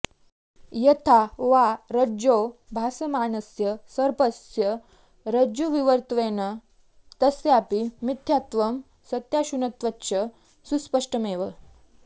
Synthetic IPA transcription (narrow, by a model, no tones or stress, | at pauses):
jət̪ʰaʋaɾəd͡ʑobʱasəmaːnəsjəsəɾpəsjə | ɾəd͡ʑoʋiʋəɾt̪ʋenə | t̪əsjapimit̪ʰjat̪ʋəm | sət̪jaɕunət̪ʋəːɕə | suspəʂʈəmeːʋə